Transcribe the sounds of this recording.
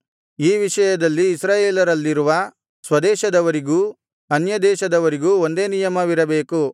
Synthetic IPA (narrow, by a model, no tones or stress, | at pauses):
iːʋiʂɐjɐd̪ɐlːiːsɾaːjeːlɐɾɐlːiɾuʋɐ | sʋɐd̪ɛːʃɐd̪ɐʋɐɾiɡuː | ɐnjɐd̪ɛːʃɐd̪ɐʋɐɾiɡuːond̪e̞ːnijɐmɐʋiɾɐbe̞ːku